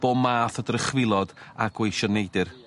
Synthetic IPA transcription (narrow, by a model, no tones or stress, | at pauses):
b̥oːmaːθədrəχwɪlˠɔdaɡ̥wejʃɔnejdɨr